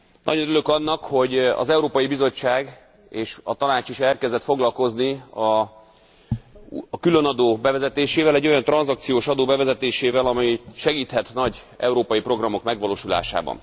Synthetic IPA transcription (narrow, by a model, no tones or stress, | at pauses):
nʔɒ̰ɟo̞nylø̞kɒnːɒkho̞ɟɒ̰zɛuɾoːpɒjibizo̞t͡ʃːaːɡ | eːʃɒt̪ɒnaːt͡ʃiʃɛrkɛzd̪ɛt̪fo̞ɡlɒlko̞zniɒ | kylønɒd̪oːbɛvɛzɛt̪eːʃeːvɛlɛɟːo̞jɒnt̪rɒnzɒk̚t̪sijoːʃɒd̪oːbɛvɛzɛt̪eːʃeːvɛlɒmɛjʃɛɡiːt̪hɛt̪nɒɟ | ɛ̰uɾoːpɒjipro̞ɡrɒmo̞kmɛɡʋɒloːʃula̰ːʃa̰ːbɒ̰n